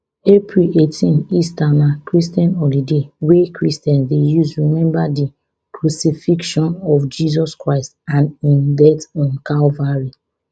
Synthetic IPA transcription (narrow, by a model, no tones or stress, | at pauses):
epɹiletʰĩnistamakɹistiãnɔlidewekɹistɛ̃nsdejuzɹimɛ̃mbadi | kɹusifikʃɔ̃nɔfd͡ʒizɔskɹaɪstãnĩndɛtɔ̃nkalvaɹi